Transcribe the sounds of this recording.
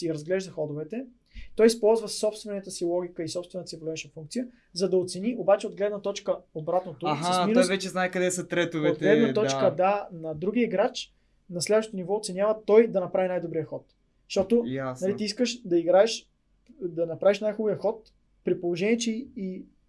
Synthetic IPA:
iɾɐzɡlɛʒzɐxɔd̪ʊvɛt̪ɛ | t̪ɔjispɔlˠzvəsɔpst̪vɛnɛt̪əsilˠɔɡ̟ʲikəisɔpst̪vɛnt̪əsivlɛt͡ʃnfuŋkt̪sijə | zɐd̪ɐot̪sɛniʔobat͡ʃɛod̪̚ɡlɛd̪nət̪ɔt͡ʃkəobɾat̪not̪oɦsminɔjvɛt͡ʃɛznaɛkɐd̪ɛsət̪ɾɛt̪ovɛod̪ɡlɛd̪nɐt̪ɔt͡ʃkəd̪anɐd̪ɾuɡ̟iəiɡɾat͡ʃ | nɐslɛd̪vəʃt̪t̪onivɔot̪sɛnjavət̪ɔjd̪ɐnɐpɾavinajd̪obɾijəxɔt̪ | ʃt̪ɔt̪ʊanɐlit̪iiskəʃd̪ɐiɡɾaɛʃ | d̪ɐnɐpɾaviʃnajxubijəxɔt̪ | pɾipolˠoʒɛnʲiɛt͡ʃɛi

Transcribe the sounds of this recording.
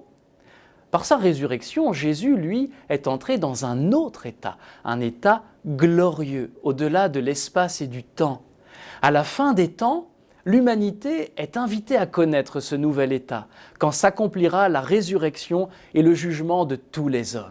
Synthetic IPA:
paʁsaʁezyʁɛksjɔ̃ʒezylɥiɛt̪ɑ̃t̪χed̪ɑ̃zɛ̃not̪χet̪a̰ɛ̰̃net̪a | ɡlɔʁjøod̪əlad̪əlɛspased̪yt̪ɑ̃ | alafɛ̃d̪et̪ɑ̃ | lymanit̪eɛt̪ɛ̃vit̪eakɔnɛt̪χəsənuvɛlet̪a̰kɑ̃sakɔ̃pliʁalaʁezyʁɛksjɔ̃ | eləʒyʒmɑ̃d̪ət̪ulezɔm

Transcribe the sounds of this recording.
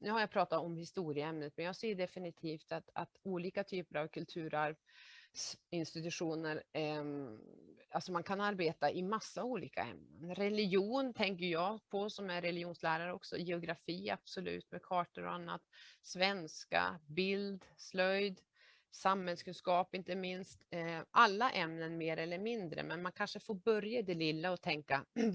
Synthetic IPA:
nʉ̟haɾjapʰɾɑːt̪at̪ɔmhɪst̪uːɾɪəɛmnət̪mɛnjɑːɡseːɖɛfɪnɪt̪ʰiːft̪at̪at̪uːliːkat̪ʰyːpəɾavkʰɵlt̪ʰʉ̟ːɾaɾvsɪnst̪ɪt̪ɵɧuːnəɾ | alsɔmankʰanaɾbeːt̪aʔɪmasːauːlḭːka̰ɛ̰mnə̰nɾɛlɪjuːnt̪ʰɛŋkəjɑːpʰɔsɔmæɾɛlɪuːnslæːɾaɾəɔksɔ̰jɛʊɡɾafiːa̰b̥sɔlʉ̟̰ːt̪mɛkʰɑːʈəɾɔ̰anːa̰t̪svɛnska̰bɪld̪slœjd̪ | samhɛlskɵnskɑːpɪnt̪əmɪnst̪ʔalːaʔɛmnənmeːɾɛlːəɾmɪnd̪ɾə̰mɛnmankʰanʂəfoːɾbœɾjad̪ɛlɪlːaɔt̪ʰɛŋka

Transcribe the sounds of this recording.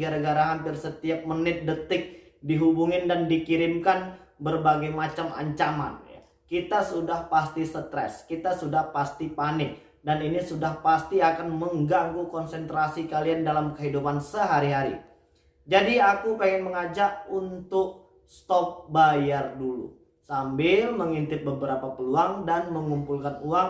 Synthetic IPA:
ɡaɾaɡaɾaɦampɪrsət̪iap̚mənɪt̪̚dət̪ɪk̚ | diɦubuŋɪndandikiɾɪmkanbərbaɡajmat͡ʃama̰ɲt͡ʃama̰nja̰ | kit̪asudahpast̪isət̪ɾɛ̰skit̪asudahpast̪ipanɪk̚ | daninisudahpast̪iakanməŋɡaŋɡukɔnsɛnt̪ɾasikaliandalamkəɦidupansəɦaɾiɦaɾḭ | d͡ʒadiakupaŋɪnməŋad͡ʒak̚unt̪ʊk̚ | st̪ɔp̚bajardulṵ | sambɪlməŋint̪ɪt̪̚bəbəɾapapəluaŋdanməŋumpulkanuaŋ

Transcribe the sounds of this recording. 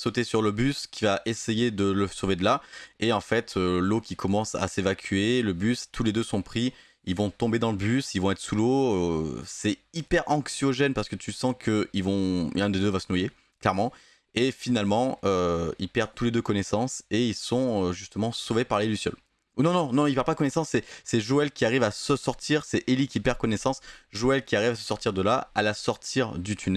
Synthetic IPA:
sot̪esyʁləbyskʲivaʔesejed̪ələsoved̪əlaeɑ̃fɛt̪ʰølokʲikʰɔmɑ̃sa̰sevakʲɥeləbyst̪ʰːuled̪øsɔ̃pχi | ilvɔ̃t̪ɔ̃bed̪ɑ̃ləbysilvɔ̃ɛt̪χə̥suloøsɛipɛʁɑ̃ksjɔʒɛnpaʁsə̥kət̪ʰysɑ̃kʰəilvɔ̃ɛ̃d̪ed̪øvasənwaje | klɛʁmɑ̃ | efinalmɑ̃øḭlpɛʁd̪̚t̪uled̪økɔnesɑ̃seilsɔ̃øʒyst̪əmɑ̃sovepaʁlelysjɔ̰l | nɔ̃nɔ̃nɔ̃ipɛʁpad̪kɔnesɑ̃sːɛsɛʒoɛlkʲiaʁivasəsɔʁt̪ʰiʁsɛʔelikʲipɛʁkɔnɛsɑ̃sʒoɛlkʲiaʁivasə̥sɔʁt̪iʁd̪əlaalasɔʁt̪ʰiʁd̪yt̪ʰynɛ

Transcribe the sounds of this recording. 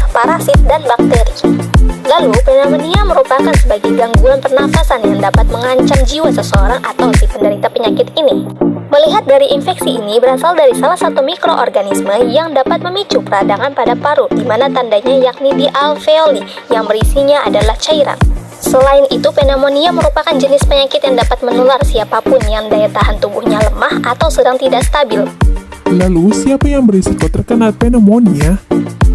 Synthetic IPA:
paɾasɪt̪̚danbak̚t̪eɾilalupenamoniaməɾupakansəbaɡajɡaŋɡuanpərnafasanjaŋdapat̪̚məŋaɲt͡ʃamd͡ʒiwasəsəoɾaŋʔat̪awdipəndəɾit̪apəɲakɪt̪iniməliɦat̪̚daɾiʔinfɛksiːnibəɾasaldaɾisalahsat̪umikɾoʔɔ̰rɡanisməjaŋdapat̪̚məmit͡ʃupəɾadaŋanpadapaɾudimanat̪andaɲajak̚nidiʔalfeoli | jaŋbəɾisiɲaʔadalaht͡ʃaiɾa̰n | səlaɪnʔit̪upenamoniaməɾupakand͡ʒənɪspəɲakɪt̪jaŋdapat̪̚mənularsiapapʊnjaŋdaɛt̪aɦant̪umbuhɲaləmahat̪awsədaŋt̪idaʔst̪abɪllalusiapajaŋbəɾisikɔt̪ərkənat̪̚penəmonia

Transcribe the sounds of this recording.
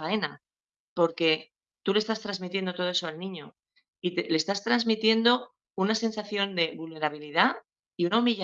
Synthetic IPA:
ae̞na | po̞ɾke̞ | t̪ulest̪ast̪ɾazmit̪je̞nd̪ot̪o̞oe̞soalnĩɲo̞ | it̪ele̞st̪ast̪ɾazmit̪je̞nd̪o̞ | unase̞nsaθjo̞nd̪e̞βulne̞ɾaβ̞iliða | iunaumiʎ

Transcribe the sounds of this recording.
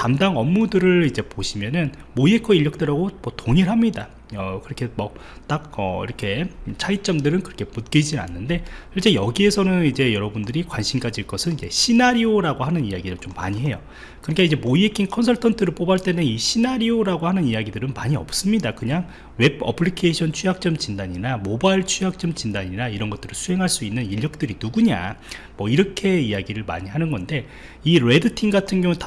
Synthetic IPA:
tamdaŋʌmːudɯɾɯɭid͡ʑe̞poɕʰimjʌnɯn | moiekʰʌiʎːʌk̚t͈eɾaɡomʌtoŋiɾɦamɲida̰ | ʌkɯɾʌkʰe̞mʌt͈ak̚ʌ̰ḭɾʌkʰe̞t͡ɕʰait͡ɕ͈ʌmdɯɾɯnkɯɾʌkʰe̞mut̚k͈id͡ʑina̰nːɯnde̞jʰʌɭt͡ɕ͈e̞jʌɡie̞sʰʌnɯnid͡ʑe̞jʌɾʌbundɯɾikwanɕʰimkad͡ʑiɭk͈ʌsʰɯnid͡ʑe̞ɕʰinaɾioɾaɡoɦanɯnijaɡidɯɭt͡ɕomːa̰ɲiɦe̞jo | kɯɾʌik͈aid͡ʑe̞moiek͈ʰinkʰʌnsʰʌɭtʰʌntʰɯɾɯɭp͈obaɭt͈e̞nɯiɕʰinaɾioɾaɡohanɯnijaɡidɯɾɯnmaɲiʌ̰p̚s͈ɯmɲidakɯɲaŋ | we̞bʌ̰pʰɯɾikʰeiɕʰʌnt͡ɕʰujak̚t͡ɕ͈ʌmt͡ɕindaɲinamobaiɭt͡ɕʰujak̚t͡ɕ͈ʌmt͡ɕindaɲinaiɾʌnɡʌt͈ɯɾɯɭsʰuɦe̞ŋɦaɭs͈uinːɯniʎːʌk̚t͈ɯɾinuɡuɲa̰ | mwʌiɾʌkʰe̞ijaɡiɾɯɭma̰ɲiɦanɯnɡʌnde̞ | iɾe̞dɯtʰiŋɡatʰɯnɡjʌŋut

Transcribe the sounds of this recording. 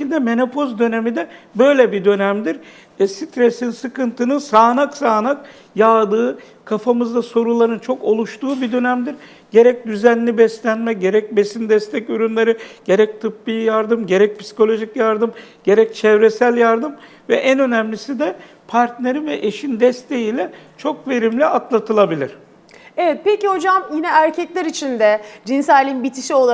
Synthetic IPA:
ilʲd̪ɛme̞no̞pʰo̞zd̪ø̞ne̞mid̪ɛbø̞jlʲɛbid̪ø̞næmd̪iɾ | sit̪ɾesinsɯkɯnt̪ʰɯnɯnsaːnaksaːnak | jaːd̪ɯː | kʰafamɯzd̪aso̞ɾulˠaɾɯnt͡ʃʰo̞ko̞lˠuʃt̪ʰuːbid̪ø̞næmd̪iɾ | ɟ̥e̞ɾɛc̚d̪yzænlʲibɛslʲænmɛɟe̞ɾɛc̚be̞sind̪ɛst̪ʰɛcyɾynlʲˠeɾɯɟ̥e̞ɾɛc̚t̪ʰɯpːijjaɾd̪ɯmɟe̞ɾɛc̚pʰsi̥kʰo̞lʲo̞ʒicjaɾd̪ɯmɟ̥e̞ɾɛc̚t͡ʃʰɛvɾesælʲjaɾd̪ɯm | vɛʔænø̞næmlʲisid̪ɛ | pʰaɾt̪ne̞ɾinvɛʔeʃind̪ɛst̪ʰe̞jilʲɛt͡ʃʰo̞kve̞ɾimlʲiʔat̪lˠat̪ʰɯlˠabilʲiɾ̥ | evɛt̪̚peciho̞d͡ʒamjinɛæɾcʰɛclʲɛɾit͡ʃʰind̪ɛd͡ʒinsæːlʲinbit̪ʰiʃio̞lˠa

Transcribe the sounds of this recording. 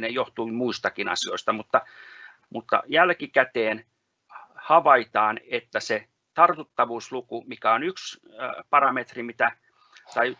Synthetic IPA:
nejoht̪uimuist̪ɑkinɑ̰sio̰ist̪ɑmut̪ːɑ | mut̪ːɑ̰jælkikæt̪eːn | hɑʋɑit̪ɑːnet̪ːæse | t̪ɑrt̪ut̪ːɑʋuːslukumikæonyks | pɑrɑmet̪rimit̪æ | t̪ɑi

